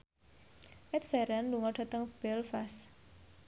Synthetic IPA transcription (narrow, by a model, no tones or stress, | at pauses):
ʔɛt̪̚sɛɾanluŋɔɖ̥a̤t̪əŋb̥ɛlfas